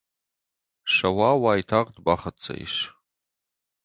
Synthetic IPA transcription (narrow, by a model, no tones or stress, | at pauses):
ʂɐwaːwaːjtʰaʁdbaχɐt͡sʰʼɐ̰ḭʃ